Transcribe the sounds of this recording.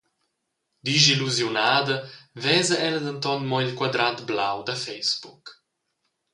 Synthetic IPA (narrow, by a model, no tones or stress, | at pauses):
d̪iziluzjunaːd̪əvɛːzəʔɛləd̪ənt̪ɔnmɔilkwad̪ɾat̪blawd̪əfɛjsbuk